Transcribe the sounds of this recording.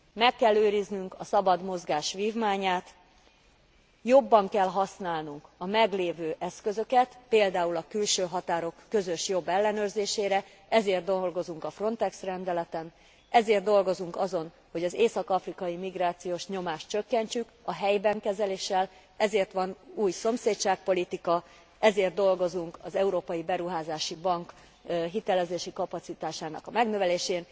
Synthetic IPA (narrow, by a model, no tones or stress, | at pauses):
mɛkːɛlːøːɾiznyŋkɒsɒbɒd̪mo̞zɡaːʃʋiːvmaːɲaːt̪ | jo̞bːɒŋkɛlɦɒsnaːlnuŋkɒmɛɡleːvøːʔɛskø̞zø̞kɛt̪peːld̪aːulɒkylʃøːɦɒt̪aːɾo̞kːø̞zøʃjo̞bːɛlːɛnøːrzeːʃeːɾɛ | ɛzeːrd̪olɡo̞zuŋkɒfro̞nt̪ɛksrɛnd̪ɛlɛt̪ɛn | ɛzeːrd̪o̞lɡo̞zuŋkɒzo̞n | ho̞ɟɒzeːsɒkɒfrikɒjimiɡraːt̪sijoːʃɲo̞maːʃt̪t͡ʃø̞kːɛɲt͡ʃykɒɦɛjbɛŋkɛzɛleːʃːɛl | ɛzeːrt̪ʋɒnuːjso̞mseːc̪t͡ʃaːk̚po̞lit̪ikɒ | ɛzeːrd̪d̪o̞lɡo̞zuŋkɒzɛuɾoːpɒjibɛɾuɦaːzaːʃibɒŋk | ɦit̪ɛlɛzeːʃikɒpɒt̪sit̪aːʃaːnɒ̰kɒmɛɡnø̞vɛleːʃeːn